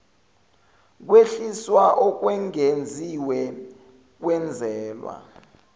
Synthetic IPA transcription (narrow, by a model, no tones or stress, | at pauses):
k̬weɬiswaʔɔk̬wɛŋend͡zʱiwɛ | k̬wɛnd͡zʱɛːlwa̰